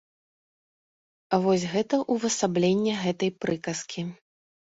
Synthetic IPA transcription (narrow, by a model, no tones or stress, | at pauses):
avɔsʲɣɛt̪ɐʔuvɐsablʲenʲːɛɣɛt̪ɐjpɾɨkɐskʲʰi